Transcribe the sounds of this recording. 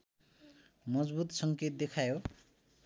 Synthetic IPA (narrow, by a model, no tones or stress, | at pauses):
mʌd͡zbut̪sʌŋket̪̚d̪ekʰajo